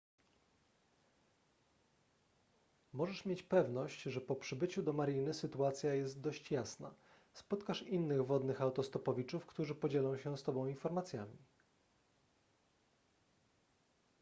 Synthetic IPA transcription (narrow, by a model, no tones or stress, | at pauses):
mɔʐɛʂmʲjet͡ɕpɛvnɔɕt͡ɕʐɛpɔpʂɘbɘt͡ɕud̪ɔmaɾʲinɘsɘt̪uat̪sʲjajɛst̪̚d̪ɔɕt͡ɕjasna̰ | spɔt̪kaʂinːɘɣvɔd̪nɘxawt̪ɔst̪ɔpɔvʲit͡ʂufkt̪uʐɘpɔd͡ʑɛlɔ̃w̃ɕɛst̪ɔbɔ̃w̃infɔɾmat̪sʲjamʲi